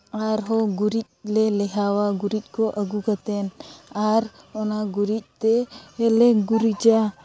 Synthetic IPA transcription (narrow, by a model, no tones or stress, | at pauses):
aɾɦɔɡuɾic̚lɛlɛɦawaɡuɾic̚ˀkɔʔəɡukat̪ɛnaɾ | ɔnaɡuɾic̚ˀt̪ɛɛlɛɡuɾid͡ʒa